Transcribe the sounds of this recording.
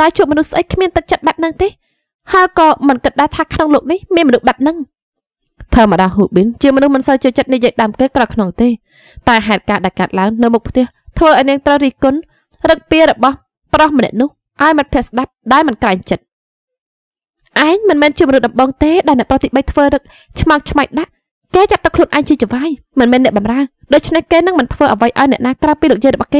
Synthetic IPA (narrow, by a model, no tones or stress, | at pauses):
ɗaɛlt͡ɕuəp̚mɔnuhsʔək̚kʰmiənt̪ɨk̚t͡ɕət̪̚ɓap̚nɨŋt̪eː | haəjkɑːmɨnkɨt̪̚ɗaɛt̪ʰaːkʰnoŋloːk̚nihmiənmɔnuhɓap̚nɨŋ | t̪ʰəːmə̆ɗɑːɦuːɓint͡ɕiəmɔnuhmɨnsəwt͡ɕoːt͡ɕət̪̚nijiəjɗaəmkeːkrɑkʰnoŋt̪eː | t̪aɛɦaɛt̪̚kaːɗaɛlkaət̪̚laəŋnɨwmuk̚pʰt̪ɛ̆əht̪ʰʋəːʔaɔniəŋt̪rəwɾiːhkʊn | rɨk̚piəɾɔɓɑh | prɑhmənɛ̆əʔnʊ̆əh | ʔaɔjmɨnpʰiəʔsɗap̚ɗaɛlmɨnkraɛɲt͡ɕət̪̚ | ʔaɛɲmɨnmɛːnt͡ɕiəmɔnuhɗɑmɓoːŋt̪eːɗaɛlnɛ̆əʔprɑht̪ʰiɓəjt̪ʰʋəːɾɨk̚ | t͡ɕʰmɑŋ̚t͡ɕʰmaɛk̚ɗaʔ | keːt͡ɕap̪̚t̪okʰluənʔaɛŋt͡ɕiət͡ɕəʋaːj | mɨnmɛːnːɛ̆əʔɓɑmraə | ɗoːc̚t͡ɕʰnehkeːnɨŋmɨnt̪ʰʋəːʔəʋəjʔaɔjnɛ̆əʔnaːkraəpiːlɨːk̚jəːjrɔɓɑhkeː